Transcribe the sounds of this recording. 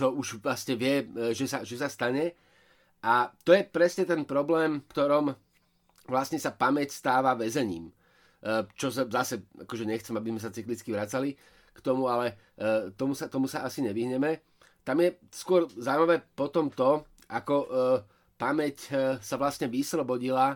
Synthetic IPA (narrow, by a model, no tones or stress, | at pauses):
t͡ʃɔuʒʋlasɲɛʋɪɛʒɛsaʒɛsast̪aɲɛ | ʔat̪ɔjɛpɾɛsɲɛt̪ɛnpɾɔblɛːmfkt̪ɔɾɔm | ʋlasɲɛsapamɛcst̪aːʋaʋɛzɛɲḭːmː | t͡ʃɔs̬azasɛa̰kɔʒɛɲɛxt͡sɛmabizmɛsat͡siklit͡skiʋɾat͡sali | kt̪ɔmualɛ | t̪ɔmusat̪ɔmusaasiɲɛʋiɦɲɛmɛ | t̪amjɛskʊɔɾzaːʊmaʋɛpɔt̪ɔmt̪ɔ | ʔakɔ | pamɛcsaʋlasɲɛʋislɔbɔɟila